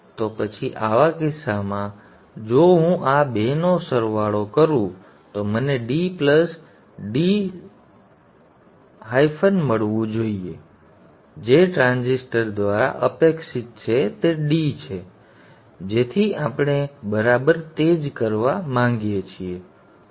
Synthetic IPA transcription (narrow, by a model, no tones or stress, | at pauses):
t̪opət͡ʃʰiʔaʋakɪsːamã | d͡ʒoɦũʔabenosəɾʋaɭokəɾũ | t̪oməneɖipləs | ɖi | ɦajfʰənməɭʋũd͡ʒoie | d͡ʒeʈɾãnzisʈəɾd̪ʋaɾa̰ʔəpeksit̪̚t͡ʃʰet̪eɖit͡ʃʰe | d͡ʒet̪ʰiapɳ̃ebəɾabəɾt̪ed͡ʒkəɾʋamãŋɡjet͡ʃʰie